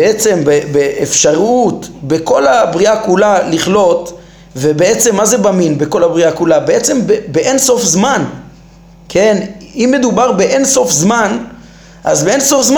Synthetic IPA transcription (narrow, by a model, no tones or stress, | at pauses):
eet͡se̞mbebeʔːfʃaʁut̪be̞ko̞labʁiakulaliχlo̞t̪ | ve̞beet͡se̞mːaze̞baminbeko̞labʁiakulabeet͡se̞mbebeʔenso̞fzman | kʰe̞nimːe̞d̪ubaʁbe̞ʔenso̞fzman | ʔa̰zbeenso̞fzm